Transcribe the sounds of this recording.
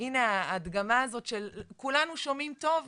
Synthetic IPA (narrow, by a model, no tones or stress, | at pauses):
ineaːd̪ɡamaːzo̞tʃelkulanuʃo̞mimto̞v